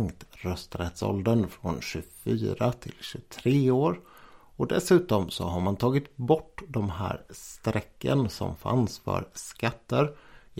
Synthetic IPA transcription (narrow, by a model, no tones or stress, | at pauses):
ŋt̪ɾœst̪ɾɛt̪sɔ̰ld̪ənfɾɔnɕɵfyːɾat̪ʰɪlɕɵt̪ʰɾeːoːɾ | ɔd̪ɛsʉ̟ːt̪ɔmsɔɦaɾmant̪ʰɑːɡɪt̪bɔʈːd̪ɔmɦæ̰ːɾst̪ɾɛkːə̰nsɔ̰mfa̰nsfœ̰ɾskat̪ːəɾ